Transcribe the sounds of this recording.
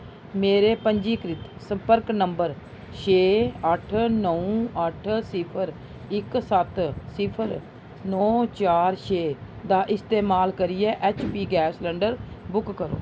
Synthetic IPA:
meːɾeːpəɲd͡ʒiːkɾɪt̪sə̃mpəɾknəmbəɾ | ʃeːəʈʰnəũːəʈʰsɪpʰəɾ | ɪksət̪sɪpʰəɾ | nɔːt͡ʃaːɾʃeː | d̪aːʔɪst̪eːmaːlkəɾijɛːʔɛːt͡ʃpiːɡɛːslɛɳɖəɾbʊkːəɾo̰ː

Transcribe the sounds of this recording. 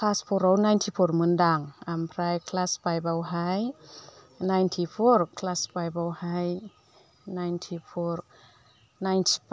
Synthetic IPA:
kʰlaspʰoɾownajntʰipʰoɾmɯndaŋʔampʰɾajkʰlaspajpawɦaj | najnt̪ʰipʰoɾkʰlaspajpawhaj | najntʰipʰoɾ | najntʰi̥

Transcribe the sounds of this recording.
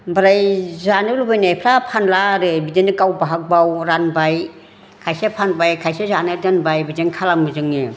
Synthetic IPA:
bɯɾajzanɯlubajnajpʰɾapʰanlaɾɯbidenɯkawbaɦak̚bawɾanbaj | kʰajsepʰanbajkʰajsezanɯɾdanbajbidenkʰalamɯzɯŋe

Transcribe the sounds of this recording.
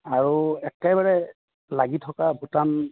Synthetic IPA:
aɹuɛkɛbaɹɛ | laɡitʰɔkabʱutan

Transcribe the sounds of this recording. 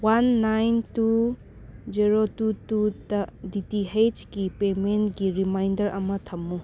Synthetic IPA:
wanːajntu | d͡ʒiɾotututɐditiɦed͡ʒɡipementɡiɾimajndɐɾɐ̰mɐtʰɐmːu

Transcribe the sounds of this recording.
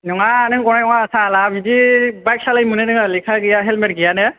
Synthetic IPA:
nɔŋanɯŋkɔnanɔŋasalabidibajksalajmunɛnɯŋalikʰaɡijaɦɛlmɛt̚ɡijanɛ

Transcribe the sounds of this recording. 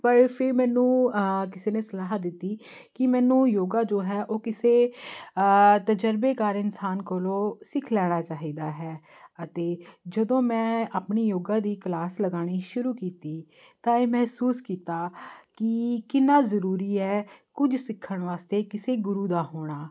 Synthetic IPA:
pəɾpʰɪɾmɛːnũːkɪseːneːsəlaːɦd̪ɪt̪ːiːkɪmɛːnũːjoːɡaːd͡ʒoːɦɛːʔoːkɪseː | t̪əd͡ʒəɾbeːkaːɾɪnsaːnkəlõːsɪkʰlɛːɽ̃aːt͡ʃaːɦiːd̪aːɦɛː | ət̪eːd͡ʒəd̪õːmɛ̃ːaːpɳiːjoːɡãːd̪iːklaːsləɡaːɽ̃iːʃʊɾuːkiːt̪iː | t̪ãːeːmɛɦsuːskiːt̪aːkɪkɪnːaːzəɾuːɾiːɛːkʊd͡ʒsɪkʰːəɳ̃ʋaːst̪eːkɪseːɡʊɾuːd̪aːɦoːɽ̃aː

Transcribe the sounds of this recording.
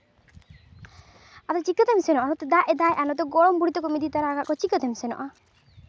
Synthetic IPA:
at̪ɔt͡ʃikət̪emsɛnɔʔɔnɔt̪ed̪aʔɛd̪ajʔanɔt̪̬ɔɡɔɽɔmbuɽit̪ɔkɔmid̪it̪aɾaɡaʔkɔt͡ʃikət̪emsɛnɔ̰ʔa

